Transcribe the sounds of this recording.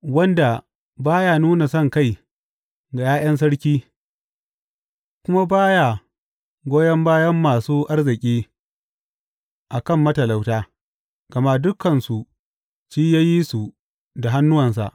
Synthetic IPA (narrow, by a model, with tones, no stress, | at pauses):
wɐ˦nda˨ | baː˦ja˨nuː˦na˨sɐ˦˨ŋka˦˨j | ɡa˨jaː˦j̰ɐ˦ns̬ɐ˦ɽkʲiː˦ | kʷʊ˦ma˦baː˦ja˨ | ɡʷoː˦jɐ˦mbaː˦jɐ˦mːaː˨suː˦ʔa˦rzɪ˨kʲʼiː˦ | ʔa˨kɐ˦˨mːɐ˦tɐ˨la˨wtaː˦ | ɡ̥ɐ˨ma˦dʊ˦kːɐ˨nsu˨ | t͡ʃiː˦jaː˦ji˦su˨ | da˨ɦa˦nːʊ˦wɐ˨ns̬a̰˨ʔ